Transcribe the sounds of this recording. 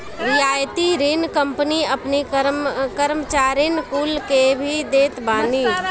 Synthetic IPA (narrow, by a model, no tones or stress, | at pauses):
ɾɪaːjt̪iɾinkə̃mpəniəpniəkəɾmət͡ʃaːɾɪnkuːlkebʱid̪eːt̪baːni